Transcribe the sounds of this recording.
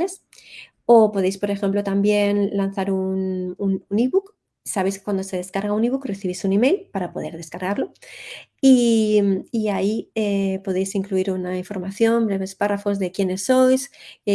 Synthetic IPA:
les | o̞po̞ð̞e̞jspo̞ɾe̞xe̞mplo̞t̪ambje̞nlan̟θaɾunununiβuk | saβe̞skwand̪ose̞ðe̞skaɾɣauniβukre̞θiβisunime̞jlpaɾapo̞ðe̞ɾð̞e̞skaɾɣaɾlo̞ | iː | aiepo̞ð̞e̞jsiŋkluiɾunaiɱfo̞ɾmaθjo̞mbɾe̞βe̞sparafo̞zðe̞kje̞ne̞sːo̞js

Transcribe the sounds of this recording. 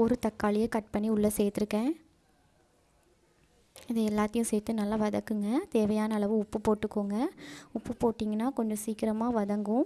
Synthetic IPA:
ɔɾɯt̪ɐkːaːlɪjɐkɐʈ̚pɐɳːiʊɭːɐseːɾt̪ːɪɾɯkːẽː | ɪðɯɛlːaːt̪ːɐjʊ̃seːɾt̪ːɯnɐlːaːʋɐðɐkːɯŋɡɐt̪eːʋɐjaːnɐːɭɐʋɯ̃ʊpːɯpoːʈːɯkːoːŋɡɐʊpːɯpoːʈːiːŋɡɐnːaːkɔɲd͡ʒɔ̃siːkɪɾɐmaːʋɐðɐŋɡʊ̃

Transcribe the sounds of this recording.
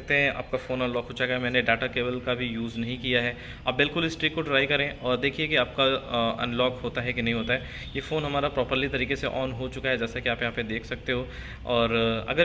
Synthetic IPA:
ɐk̚t̪eɦɛ̃ʔa̰ːp̚kafoːnɐ̃nlɔːkɦoːt͡ʃaɡamɛ̃ːneɖaːʈakeːbəlkabʱijuːznɐɦĩkijaɦɛ | aːp̚bɪlkʊlɪsʈɾiːkːoɖɪɾaːɪkɐɾẽːɔːɾd̪eːkʰiekiaːp̚kaɐ̰̃nlɔːkɦoːt̪aɦɛkinɐɦĩɦoːt̪aɦɛ | jeːfoːnɦɐmaːɾapɾɔːpəɾlit̪ɐɾiːkeseʔɔːnɦot͡ʃʊkaɦɛd͡ʒɛːsakiaːpjɦaːpẽd̪eːkʰsɐk̚t̪eɦoː | ɔːɾɐ̰ɡəɾ

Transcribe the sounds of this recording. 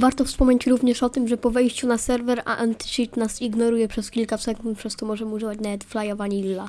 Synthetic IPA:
vaɾt̪ɔfspɔmɲet͡ɕɾuvɲɛʂɔt̪ɘmʐɛpɔvɛjɕt͡ɕunasɛɾvɛɾʔa̰ʔɛnt̪ʂit̪nasiɡnɔɾujɛpʂɛskʲilkasɛkunt̪pʂɛst̪ɔmɔʐɛmuʐɨvat͡ɕnavɛt̪flajɔvaɲɛilːa

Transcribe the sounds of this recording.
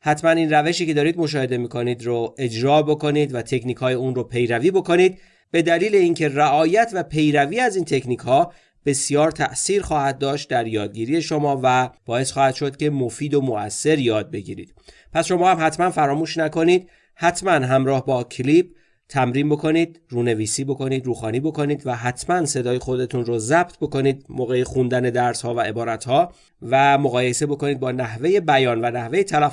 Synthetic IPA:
hæt̪ʰmæniːnræve̞ʃiːce̞d̪ɒːɾiːd̪mo̞ʃ̬ɒːhe̞d̪e̞miːkʰo̞niːd̪ɾoe̞d͡ʒɾɒːbo̞ko̞niːd̪væt̪ʰe̞cʰniːkʰhɒːjeunropʰe̞jɾæviːbo̞ko̞niːd̪̚ | b̥e̞d̪æliːle̞iːncʰe̞ræʔɒːjæt̪ʰvæpʰe̞jɾæviːæziːnt̪ʰe̞cniːkhɒː | b̥e̞sjɒːɾt̪ʰæʔsiːɾxɒːhæd̪̚ːɒːʃt̪̚d̪æɾjɒːd̪̚ɟiːɾiːje̞ʃo̞mɒːvæb̥ɒːe̞sxɒːhæd̪̥ʃo̞d̪̥ce̞mofiːd̪omoæsːe̞ɾjɒːd̪̚be̞ɟḭɾḭːd̪̥ | pʰæsʃo̞mɒːhæmhæt̪ʰmænfæɾɒːmuːʃnæko̞niːd̪̥ | hæt̪ʰmænɦæmɾɒːhbɒːcʰlib̥̚ | t̪ʰæmɾiːnbo̞kʰo̞niːd̪̚ruːne̞viːsiːbo̞ko̞niːd̪ɾuːxɒːniːbo̞ko̞niːd̪væɦæt̪ʰmænse̞d̪ɒːjexo̞d̪e̞t̪ʰunɾozæb̥̚t̪̚ʰbo̞ko̞niːd̪moːɣe̞jexund̪æne̞d̪æɾshɒːvæʔe̞bɒːɾæt̪ʰhɒː | væmoɣɒːje̞se̞bo̞ko̞niːd̪̚bɒːnæhve̞je̞bæjɒːnvænæhve̞jet̪ʰælæ

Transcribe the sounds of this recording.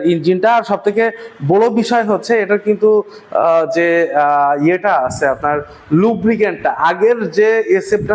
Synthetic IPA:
ind͡ʑinʈaːɾʃɔb̚t̪ʰekebɔɽobiʃɔeɦotːɕʰeeʈakint̪u | d͡ʑe | ieʈaasʰeapnaɾ | lubɾikeɳʈʈaʔaɡeɾd͡ʑeesep̚ʈa

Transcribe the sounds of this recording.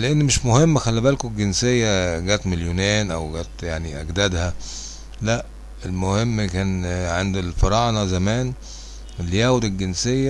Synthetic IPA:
leʔenːmeʃmohemːxælːæbælkoɡensejːæɡæːt̪meljonæːnʔæwɡæːt̪jaʕniʔæɡd̪æd̪hæ | læʔ | elmohemːkæːnʕend̪elfɑɾˤɑːʔnɑzæmæːn | lːijæːwod̪elɡensejːæ

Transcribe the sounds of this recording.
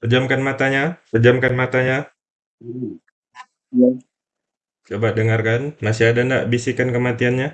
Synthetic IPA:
sərd͡ʒamkanmat̪aɲasəd͡ʒamkanmat̪aɲa | ja | t͡ʃobadəŋarkanmasiadanda̰ʔbisikankəmat̪ianɲa

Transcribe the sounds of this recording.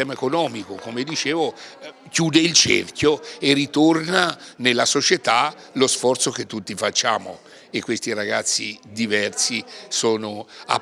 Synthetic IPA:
ɛːmaekonɔːmikokomed̪it͡ʃeːvo | kjuːd̪eilt͡ʃḛrkjoerːit̪ornanelːasot͡ʃet̪a | losfɔrt̪sok̟et̪ːut̪ːifat͡ʃːaːmo̰ | ekːwest̪iɾaɡat̪sːḭd̪ivɛrt̪sisoːnoa̰

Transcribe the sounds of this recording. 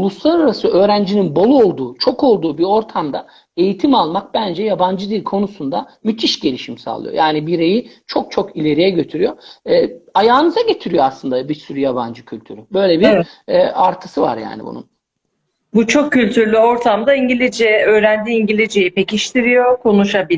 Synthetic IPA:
ulˠuslˠaɾaɾasɯø̞ːɾænd͡ʒininbo̞lˠuo̞lˠd̪uːt͡ʃʰo̞ko̞lˠd̪uːbiɾo̞ɾt̪ʰamd̪a | e̞jit̪ʰimalˠmak̚bænd͡ʒɛjaband͡ʒɯd̪iɾkʰo̞nusund̪amyt̪ʰiʃɟe̞lʲiʃimsa̰lˠɯ̰jo̰jaːnibiɾe̞jit͡ʃʰo̞k̚t͡ʃʰokilʲe̞ɾijɛɟø̞t̪ʰyɾyjo̞ɛːajaːnɯzaɟe̞t̪ʰiɾijo̞aslˠɯnd̪abiɾsyɾyjaba̰nd͡ʒɯcʰylʲt̪ʰyɾybø̞jlʲebiɾɛaɾt̪ʰɯ̥sɯva̰ɾja̰ːnḭbṵnṵn | but͡ʃʰo̞kʰːylʲt̪ʰyɾlʲyo̞ɾt̪ʰamd̪aiɲɟilʲid͡ʒɛøːɾænd̪iiːɲɟilʲid͡ʒejipe̞ciʃt̪ʰiɾijokʰo̞nuʃabi

